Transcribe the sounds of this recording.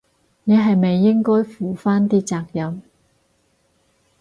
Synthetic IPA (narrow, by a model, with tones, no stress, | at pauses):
ne˨˧ɦɐ˨jme˨jːɪ˥ŋkɔː˥jfuː˨˩faː˥nt̪iː˥t͡saː˧k̚jɐ˨˧m